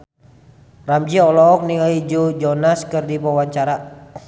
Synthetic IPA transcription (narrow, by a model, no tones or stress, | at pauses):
ramd͡ʒiɔlɔk̚niŋaid͡ʒud͡ʒɔnaskɨrdipawaɲt͡ʃaɾa